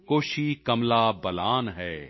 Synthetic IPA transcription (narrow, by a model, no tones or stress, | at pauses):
koːʃikɐmlaːbɐlaːnɦɛː